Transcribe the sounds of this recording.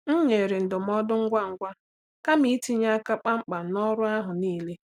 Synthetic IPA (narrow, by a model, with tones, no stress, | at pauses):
ŋ̩˦ɲe˨ɾe˨n̩˨dʊ˨m˦ɔ˦dʊ˦ŋ̩˦ɡʷa˦ŋ̩˦˨ɡʷa˦ | ka˦mi˦ti˦ɲa˦a˦ka˦k͡pa˦ŋ͡m̩˦k͡pa˨nɔ˦ɾʊ˦a˦ɦʊ˨niː˦le˦